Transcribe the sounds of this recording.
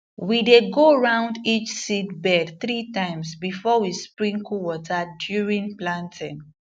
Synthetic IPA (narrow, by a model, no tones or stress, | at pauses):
wideɡoɹãʊ̃ndit͡ʃsidbɛdθɹitãɪ̃msbifɔwispɹĩŋkuwɔtʰadjuɹĩnplãntʰĩn